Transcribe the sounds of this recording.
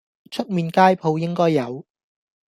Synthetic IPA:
t͡ʃʰɵ˥t̚miː˨˧nkaː˥jpʰo˨˧wjɪ˥ŋkɔː˥jːɐ˨˧w

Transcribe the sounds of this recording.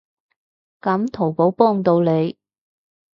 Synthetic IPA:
kɐ˨˥mt̪ʰo˨˩wpo˨˥wpɔː˥ŋt̪o˧wle˨˧j

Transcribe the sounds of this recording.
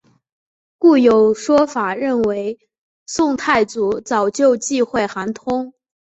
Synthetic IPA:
ku˥˩jo˨˩ʊʂwɔ˥fa˨˩ɻə˥˩nwe˧˥ɪ | sʊ˥˧ŋt̪ʰa˥˩ɪt͡su˨˧˥t͡sɑ˨˩ʊt͡ɕjo˥˧ʊt͡ɕi˥˧xwe˥˩ɪxa˧˥nt̪ʰʊ˥ŋ

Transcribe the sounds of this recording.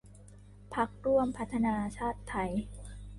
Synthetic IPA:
pʰa˦˥k̚ɾu˥˩əmpʰa˦˥t̪ʰːa˧naː˧t͡ɕʰaː˥˩t̪ʰːa˧˥j

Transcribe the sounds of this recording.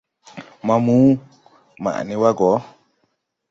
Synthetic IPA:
ma˨mu˦ | ma̰˨ʔni˦wa˦ɡɔ˨˦

